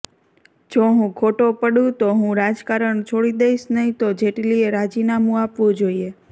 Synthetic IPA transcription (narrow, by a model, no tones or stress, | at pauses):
d͡ʒoɦũkʰoʈopəɽũt̪oɦũɾad͡ʒkaɾəɳt͡ʃʰoɽid̪eiʃnəɦĩt̪od͡ʒeʈlieɾad͡ʒinamũapʋũd͡ʒoie